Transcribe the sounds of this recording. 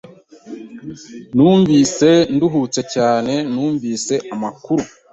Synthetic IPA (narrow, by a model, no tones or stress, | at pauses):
nuːɱviːse̞nduɦut͡se̞caːne̞nuːɱviːse̞ʔamakuɾu